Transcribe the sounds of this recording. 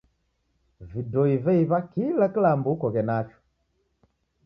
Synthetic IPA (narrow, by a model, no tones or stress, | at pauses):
vidɔivɛiβakilakilambukɔɣɛnafɔ̥